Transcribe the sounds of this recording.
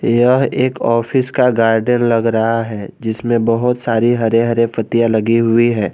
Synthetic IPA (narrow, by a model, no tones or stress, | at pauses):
jɐɦeːkɔːfɪskaɡaːɾɖənlɐɡɾɐɦaɦɛːd͡ʒɪsmẽbɐɦʊt̪saːɾiɦɐɾeɦɐɾefɐt̪ijalɐɡiɦʊiɦɛː